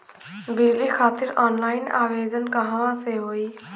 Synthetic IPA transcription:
biːlikʰaːt̪ɪɾɔːnlaːɪna̰ːʋeːd̪ənkaɦaʋãseɦoːiː

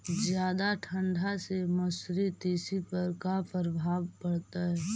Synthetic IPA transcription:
zjaːd̪aʈʰə̃ɳɖʱaseməsɾit̪iːsipəɾkapʰəɾbʱaːʋpɐɽt̪aɦɛː

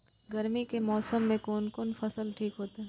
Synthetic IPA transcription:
ɡɐɾmikemɔːsəmːẽkoːnkonfɐsəlʈʰiːkɦoːt̪aɦ

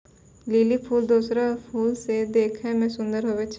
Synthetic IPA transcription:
liːlipʰuːld̪uːsɾapʰuːlsed̪eːkʰɦɛmɛ̃ːsʊ̃nd̪əɾɦoːʋet͡ʃ

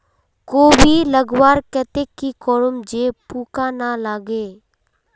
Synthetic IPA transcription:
koːbʱiləɡwaːɾkɛt̪ekːikɔːɾʊmd͡ʒeːpuːkaːnalaːɡeː

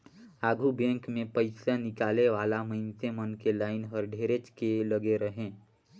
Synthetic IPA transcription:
aːɡʱubɛ̃ːŋkmẽpəɪsanɪkaːleʋaːlaməɪnsemənkelaːɪnɦəɾɖʱeːɾet͡ʃkeləɡeɾəɦẽː

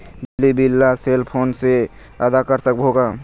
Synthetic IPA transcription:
bɪlːibilːaselpʰoːnse | əd̪akəɾsəkbɦoɡa

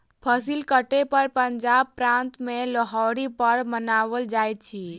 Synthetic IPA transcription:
pʰəsilkəʈepəɾpəɲd͡ʒaːb̚pɾãnt̪mẽləɦɔɾipəɾmənaːʋəld͡ʒaːjt̪̚t͡ʃʰi

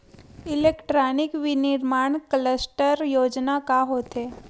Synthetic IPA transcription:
ilekʈɾanikʋiniɾmaɳkələsʈəɾjod͡ʒnakaɦot̪ʰe

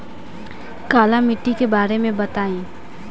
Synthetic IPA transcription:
kaːlamɪʈːikebaːɾemẽbɐt̪aːĩː

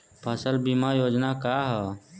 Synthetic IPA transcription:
pʰəsəlbimajoːd͡ʒnakaɦɛ

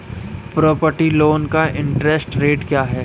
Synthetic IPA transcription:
pɾɔːpəɾʈiloːnkaɪ̃ɳʈɾɛsʈɾeːʈkjaːɦɛː

